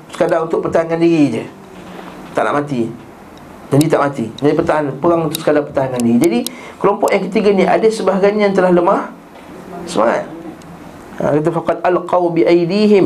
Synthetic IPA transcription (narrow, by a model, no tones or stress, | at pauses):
sə̥kadaŋunt̪ʊʔ̚pət̪aaŋandiɾid͡ʒə | t̪aʔna̰ʔmat̪i | dandiət̪aʔmat̪id͡ʒaipət̪aanpəɣaŋunt̪ʊʔsə̥kadapət̪aɦaŋandiɣid͡ʒadikəlɔmpɔʔjaŋkət̪iɡaniʔa̰dəsəbaɦɡaɲant̪əlahləmah | səma̰ŋa̰t̪̚ | a̰kat̪̬afaqɑd̪ʔalqɑwbiʔajdiːɦɪm